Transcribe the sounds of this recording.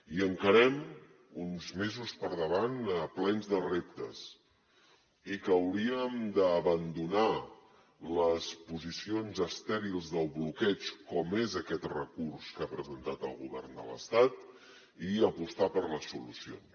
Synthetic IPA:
iəŋkəɾɛm | unzmezuspəɾðəβanəplɛnzðərep̚t̪əs | ikːwɾiəmd̪əːβənd̪una | ləspuzisionzəst̪ɛɾilˠzðəlˠβlukɛt͡ʃkɔmezəkɛt̪rəkuɾskapɾəzənt̪at̪əlˠɣuβɛrnd̪ə̰lə̰st̪at̪ | iəpust̪apəɾləsulusio̰ns

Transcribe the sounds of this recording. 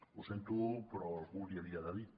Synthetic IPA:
usent̪upɾoɣuɾiaðiaðaði

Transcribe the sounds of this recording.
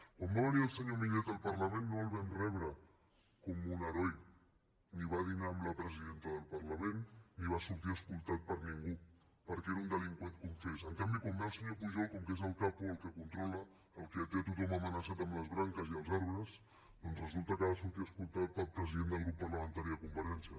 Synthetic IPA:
kwambaβəniəlˠsəɲomiʎɛt̪əlˠpəɾləmenːoəlˠβɛnrɛβɾə | kɔmunəɾɔj | niβ̞aðinaːmləpɾəziðent̪əðəlˠpəɾləmenːiβasuɾt̪iəskulˠt̪at̪̚pəɾniŋɡu | pəɾkeɾund̪əliŋkwenkuɱfesəŋkambikɔmnalˠsəɲopuʒɔlˠkɔmkezəlˠkapuəlˠkəkunt̪ɾɔləː | lˠkeət̪eət̪ut̪ɔməmənəsat̪əmləzβɾaŋkəziəlˠzaɾβɾəs | d̪ɔnzrəzulˠt̪əkəβasuɾt̪iəskulˠt̪at̪̚pəlˠpɾəziðend̪əlˠɣɾupːəɾləmənt̪aɾiðəkuɱfəɾɛnsiə

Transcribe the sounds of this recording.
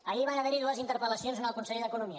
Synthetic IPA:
əʎiβanəβeɾiðuəzint̪əɾpələsionzənəlˠkunseʎðəkunumiə

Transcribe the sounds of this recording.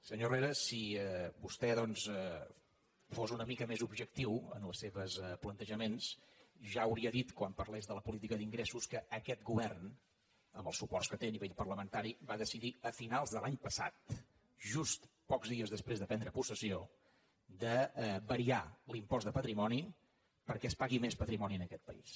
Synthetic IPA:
səɲoreɾəsiɛbust̪ɛðɔnsɛ | fozunəmikəmezubʒək̚t̪iwə̰nləsːeβəsəplənt̪əʒəmensʒaəwɾiəðit̪kwampərlezðələpulit̪̬ikəðiŋɡɾesuskəəkɛt̪ɡuβɛrn | əmbəlˠsupɔrskət̪eniβeʎpərləmənt̪aɾiβaðəsiðiəfinalˠzðəlˠaɲpəsa̰t̪̚ | ʒust̪ | pɔkzðiəzðəspɾezðəpɛnd̪ɾəpusəsio | d̪əbəɾialimpɔzd̪əpət̪ɾimɔni | pəɾkɛspaɣimespət̪ɾimɔniənəkɛt̪̚pəḭs

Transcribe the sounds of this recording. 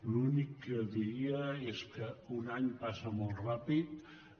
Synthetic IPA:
lunikːəðiɾiəeskəunaɲpasəmolˠtrapit̪

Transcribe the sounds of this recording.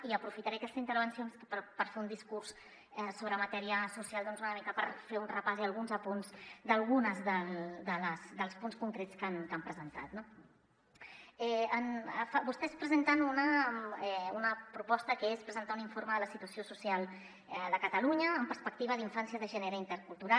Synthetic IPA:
iəpɾufit̪aɾeakɛst̪zint̪əɾβ̞ənsionspəpəɾfeund̪iskurs | ɛsoβɾəmət̪ɛɾiəsusialˠd̪ɔnzunəmikəpəɾfeunrəpaziəlˠɣ̞unzəpunzd̪əlˠɣunəzðəld̪ələzd̪əlˠspunskuŋkɾet͡skankampɾəzənt̪a̰t̪no | ɛənfabust̪ɛspɾəzənt̪anunəmɛunəpɾupɔst̪əkəespɾəzənt̪auniɱfoɾməðələsit̪uəsiosusialˠ | ɛd̪əkət̪əluɲəːmpəɾspək̚t̪iβəðiɱfansjəðəʒɛneɾəint̪əɾkulˠt̪uɾal

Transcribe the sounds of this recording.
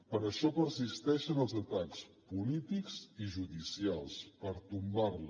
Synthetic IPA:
pəɾəʃɔpəɾsist̪ɛʃənəlˠzət̪akspulit̪ikziʒuðisialˠspəɾt̪umbarl

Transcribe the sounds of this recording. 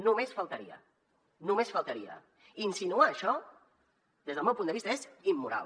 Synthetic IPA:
numesfəlˠt̪əɾiə̰ | numesfəlˠt̪əɾiə̰ | insinuaːʃɔ | d̪ezðəlmɛwpund̪əβist̪əezimːuɾa̰

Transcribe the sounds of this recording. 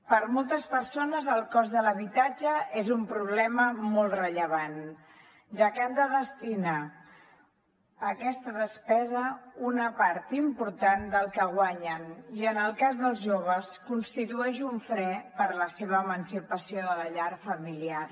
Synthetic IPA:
pəɾmolˠt̪əspəɾsonəzəlˠkɔzðələβit̪ad͡ʒəezumpɾuβ̞lɛməmɔlˠtrəʎəβ̞an | ʒakɛnd̪əðəst̪ina | kɛst̪əðəspɛzəunəpaɾt̪impuɾt̪and̪əlˠkəɣwaɲəniənəlˠkazðəlˠzʒoβ̞əskunst̪it̪uɛʃuɱfɾɛpəɾləseβ̞əːmənsipəsioðələʎaɾfəmiliar

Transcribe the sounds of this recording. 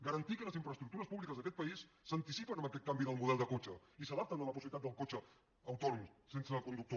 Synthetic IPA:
ɡəɾənt̪ikələziɱfɾəst̪ɾuk̚t̪uɾəspuβlikəzðəkɛt̪pəisːənt̪isipənəmbəkɛt̪̚kambiðəlˠmuðɛlˠd̪əkot͡ʃəisəðap̚t̪ənələp̬usiβilit̪at̪d̪əlˠkot͡ʃəː | wt̪ɔnumsensəkund̪uk̚t̪o

